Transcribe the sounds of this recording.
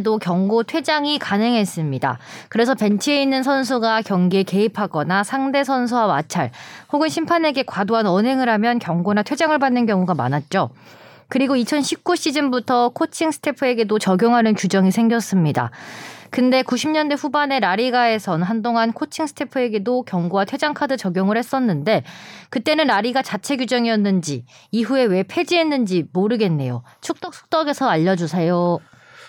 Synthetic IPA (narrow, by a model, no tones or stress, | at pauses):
dokjʌŋɡotʰwe̞d͡ʑaŋikanɦeŋɦe̞s͈ɯmɲida̰kɯɾe̞sʰʌpe̞nt͡ɕʰie̞inːɯnsʰʌns̬ʰuɡakjʌŋɡeke̞ipʰaɡʌnasʰaŋde̞sʰʌns̬ʰuwamat͡ɕʰaɭhoɡɯnɕʰimpʰane̞ɡe̞kwadoɦanʌnɦe̞ŋɯɾɦamjʌnkjʌŋɡonatʰwe̞d͡ʑaŋɯɭbanːɯnk̬jʌŋuɡama̰nat̚t͡ɕ͈o | kɯɾiɡoit͡ɕʰʌnɕʰip̚k͈uɕʰid͡ʑinbutʰʌkʰot͡ɕʰiŋsʰɯ̥tʰe̞pʰɯe̞ɡe̞dot͡ɕʌɡjoŋɦanɯnkud͡ʑʌŋisʰe̞ŋɡjʌs͈ɯmɲida̰kɯnde̞kuɕʰimɲʌndeɸubane̞ɾaɾiɡae̞sʰʌnɦandoŋankʰot͡ɕʰiŋsʰɯ̥tʰe̞pʰɯe̞ɡe̞dokjʌŋɡuwatʰwe̞d͡ʑaŋkʰadɯt͡ɕʌɡjoŋɯɭhe̞s͈ʌnːɯnde̞kɯt͈e̞nɯnɾaɾiɡat͡ɕat͡ɕʰe̞ɡjud͡ʑʌŋiʌnːɯnd͡ʑiiɦue̞we̞pʰe̞d͡ʑiɦe̞nːɯnd͡ʑimoɾɯɡe̞nːe̞jot͡ɕʰuk̚t͈ʌk̚s͈ʰu̥k̚t͈ʌɡe̞sʰʌaʎːʌd͡ʑusʰejo